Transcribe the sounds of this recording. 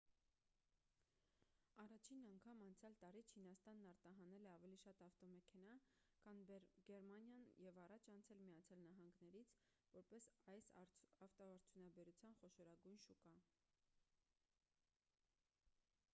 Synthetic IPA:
ɑrɑt͡ʃʰinɑŋkʰɑmɑnt͡sʰjɑlt̪ɑɾit͡ʃʰinɑst̪ɑnːɑɾt̪ɑɦɑnɛlɛɑvɛliʃɑt̪ɑft̪ɔmɛkʰɛnɑ | kʰɑnɡɛɾmɑnjɑnjɛvɑrɑt͡ʃʰɑnt͡sʰɛlmijɑt͡sʰjɑlnɑɦɑŋɡnɛɾit͡sʰ | vɔɾpɛsɑjsɑft̪ɔɑɾt͡s̪ʰjunɑbɛɾut͡sʰjɑnχɔʃɔɾɑɡujnʃukɑ

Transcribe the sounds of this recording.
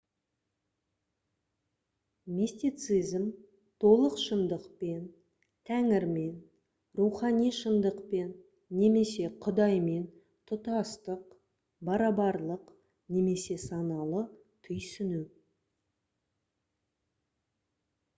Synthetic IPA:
mʲist̪it̪sɨzm | t̪ʰo̞lˠəqʃənd̪əqpe̞n | t̪ʰæŋɪɾme̞n | ruχɑnijʃənd̪əqpe̞nː | e̞me̞se̞qʰʊd̪ɑjme̞n | t̪ʰʊt̪ɑst̪əq | bɑɾɑbɑɾlˠəq | ne̞me̞se̞sɑnɑlˠə | t̪ʰʏjsɪnu

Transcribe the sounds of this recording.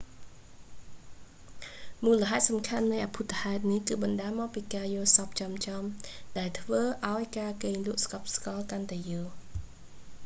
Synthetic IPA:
muːləɦaɛt̪̚sɑmkʰanːɨjʔaːpʰut̪ʰːahaɛt̪̚nihkɨːɓɑnɗaːəmɔːk̚piːkaːjʊ̆əlsɑp̚t͡ɕɑmt͡ɕɑmɗaɛlt̪ʰʋəːʔaɔjkaːkeːŋluəʔskɑp̚skɑlkant̪aɛjəːŋ

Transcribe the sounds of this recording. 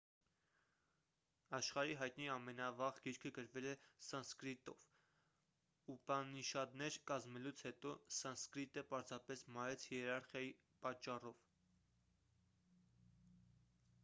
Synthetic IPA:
ɑʃχɑɾiɦɑjt̪niɑmɛnɑvɑʁɡiɾkʰəɡəɾvɛlɛsɑnskɾit̪ɔ̰v̥ | ubɑniʃɑd̪nɛɾkɑzmɛlut͡sʰhɛt̪ɔsɑnskɾit̪əpɑɾzɑpɛsmɑɾɛt͡sʰjɛɾɑɾχjɑji | pɑt͡ʃːɑrɔv

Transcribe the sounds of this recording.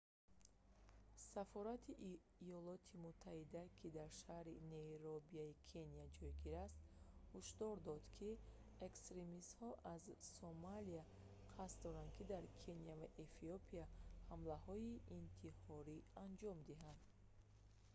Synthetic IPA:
safɔɾat̪ʰiʔː | jɔlɔt̪ʰimut̪ʰːahid̪akʰid̪aɾʃahɾineɾobiaikʰenijad͡ʒɔjɡiɾast̪huʃd̪ɔɾd̪ɔd̪kʰi | e̞kst̪ɾemist̪hɔʔazsomalia | qʰasd̪ɔɾand̪̚kʰid̪aɾkʰe̞nijavaʔefiopʰiahamlahɔiint̪ʰihɔɾiand͡ʒɔmd̪iɦand̪

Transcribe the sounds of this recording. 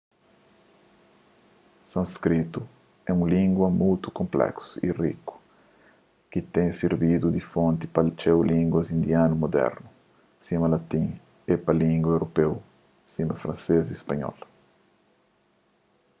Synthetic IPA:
sɐ̃skɾit̪u | ɛũlĩŋɡwɐmujt̪u̥kõmplɛ̰ksu̥ḭrḭku̥ | kit̪ẽŋsiɾbid̪ud̪ifõnt̪ipɐlt͡ʃɛwlĩŋɡwɐzĩnd̪janumod̪ɛ̰ɾnu | simɐlat̪ĩŋ | epɐlĩŋɡwɐewɾopew | simɐfɾɐ̃nsezispɐɲɔ̰l

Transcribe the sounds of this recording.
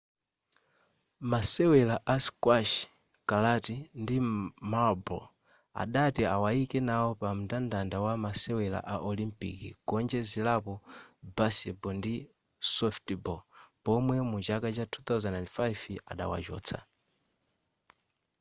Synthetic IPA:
masɛwɛlaʔaskwaʃ | kalatindimabɔl | a̰ɗatiawaikɛnawɔpam̩dandandawamasɛwɛla̰ʔaʔɔlimpḭkḭɡɔnd͡ʒɛzilapɔbasɛbɔndi | sɔftbɔpɔmwɛmut͡ʃakat͡ʃatʰuθawzɛnɛndfajva̰ɗa̰wa̰t͡ʃɔ̰ːt͡sʰa̰

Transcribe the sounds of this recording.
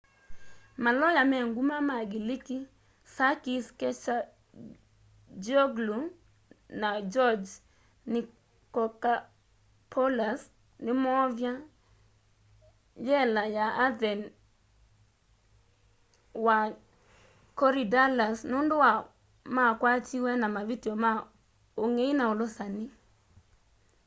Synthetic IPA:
malɔjamɛŋɡumamaɡɪlɪki | sakiskɛt͡ʃa | d͡ʒoɡlu | nad͡ʒɔd͡ʒ | nɪ | kɔka | pʰɔlas | nɪmɔvja | jɛlajaad̪ɛn | wa | kɔɾidalasnʊndʊwa | makwat͡ʃiwɛnamavitioma | oŋeinaolʊsanɪ

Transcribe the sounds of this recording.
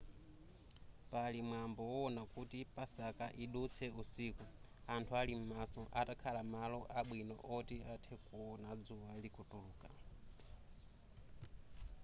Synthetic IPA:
palimwambɔwɔːnakutipasakaʔiɗut͡sʰɛusiku | antʰualim̩masɔʔatakʰalamalɔʔaɓwinɔ̰ʔɔtiatʰɛkuɔnad͡zuwalikutuluːka

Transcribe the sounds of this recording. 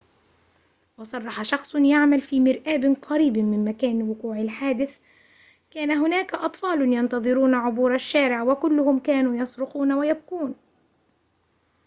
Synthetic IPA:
wɑsˤɑrˤːɑħaʃɑxsˤjaʕmalfiːmɪɾʔaːbqɑɾiːbmɪnmakaːnwʊquːʕɪlħaːd̪ɪθ | kaːnaɦʊnaːkaʔɑt̪ˤfɑːlnjɑnt̪ɑðˤɨɾuːnaʕʊbuːɾaʃːaːɾɪʕwakʊlːʊhʊmkaːnuːjɑsˤɾʊxuːnawajab̚quːn

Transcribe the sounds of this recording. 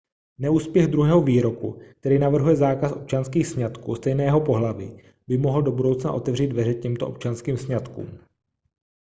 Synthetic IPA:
nɛuːspjɛɣd̪ɾuɦɛːɦo̞viːɾo̞kṵk̚t̪ɛɾiːnavr̩ɦujɛzaːkasʔo̞p̚t͡ʃanskiːxsɲat̪kuːst̪ɛjnɛːjɛɦo̞po̞ɦlavḭ | bɪmo̞ɦl̩do̞budo̞wt͡sna̰ʔo̞t̪ɛvriːd̪vɛɾɛcɛmt̪oʔop̚t͡ʃanskiːmsɲat̪kṵːm

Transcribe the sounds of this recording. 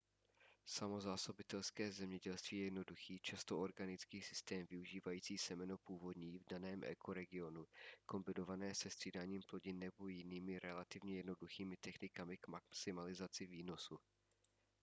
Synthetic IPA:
samo̞zaːso̞bɪt̪ɛlskɛːzɛmɲɛɟɛlst̪viːjɛjɛdno̞duxiːt͡ʃast̪ooɾɡanɪt͡skiːsɪ̥st̪ɛːmvɪuʒiːvajiːt͡siːsɛmɛnopuːvo̞dɲiːvdanɛːmʔɛ̰kʰo̞ɾɛɡɪo̞nuko̞mbɪno̞vanɛːsɛst̪r̥iːdaːɲiːmplo̞ɟɪnɛbojɪniːmɪɾʔɛlat̪ɪvɲɛjɛdno̞duxiːmɪt̪ɛxnɪkamɪkmaksɪmalɪzat͡sɪviːno̞su

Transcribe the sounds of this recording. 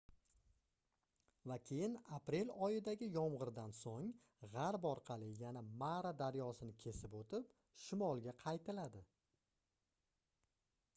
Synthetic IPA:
vakʲʰe̞jɪnapɾe̞lɒjɪd̪aɡʲɪjɒmʁɨɾd̪ansoŋ | ʁaɾbɒɾqʰɑlɪjanamaɾad̪aɾjɒsɪnɪkʲʰe̞sɪpot̪ɪp | ʃɪmɒlˠɡʲaqʰɑjt̪ʰɪlad̪ɪ

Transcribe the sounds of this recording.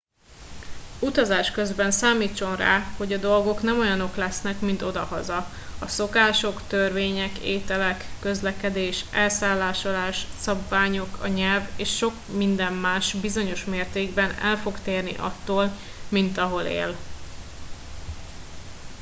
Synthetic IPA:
ut̪ɒzaːʃkø̞zbɛnsaːmiːt͡ʃːo̞nra̰ːho̞ɟɒd̪o̞lɡo̞knɛmo̞jɒno̞klɛsnɛkmint̪o̞d̪ɒhɒzɒ | ɒso̞kaːʃo̞kt̪ørveːɲɛkeːt̪ɛlɛkːø̞zlɛkɛd̪eːʃɛlsaːlːaːʃolaːʃsɒbvaːɲo̞kɒɲɛlveːʃʃo̞kmind̪ɛmmaːʃbizo̞ɲo̞ʃmeːrt̪eːɡbɛnɛ̰lfo̞ɡt̪eːrnḭʔɒ̰t̪ːoːl | mint̪ɒɦo̞lḛːl

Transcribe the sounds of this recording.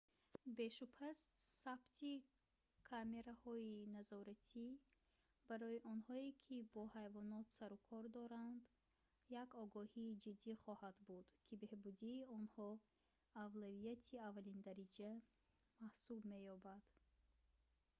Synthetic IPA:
be̞ʃupʰassabt̪ʰi | kʰame̞ɾahɔinazɔɾat̪ʰi | b̥aɾɔjiʔɔnhɔikʰibɔhajvɔnɔt̪saɾukʰɔɾd̪ɔɾand̪ | jakɔɡɔhiːd͡ʒid̪ːiχɔhad̪bud̪̥kʰibe̞hbud̪iːɔnhɔ | avlavijat̪ʰiavːalind̪aɾid͡ʒa | mahsubme̞jɔbad̪̥

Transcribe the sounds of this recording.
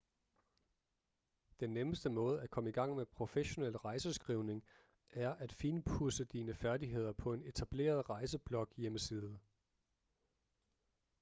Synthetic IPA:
d̥enːeməsd̥əmɔ̽ːð̞̩ˠækʰɒ̽məiɡ̥ɑ̈ŋ̰mepʰʁo̝feɕo̝nel̰ʁɑ̈ɪsəsɡ̥ʁiʊne̝ŋ | ʔæɐʔæd̥fiːnpʰusəd̥iːnəfæɐdiɦe̝ð̞̰ˠɐpʰɒ̽e̝ne̝t͡sʰæb̥le̝̰ːɐð̞ˠʁɑ̈ɪsəb̥lɒ̽ɡ̥jeməsiːð̞ˠə

